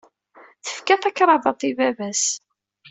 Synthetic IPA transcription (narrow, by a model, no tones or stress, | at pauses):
θə̥fkæθɑkɾˤɑvɑt̪ˤivævæs